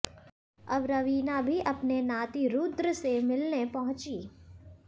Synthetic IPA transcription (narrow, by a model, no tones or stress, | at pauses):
ɐbɾɐʋiːnabʱiʔɐpnenaːt̪iɾud̪ɾəsemɪlnepɐɦʊ̃t͡ʃiː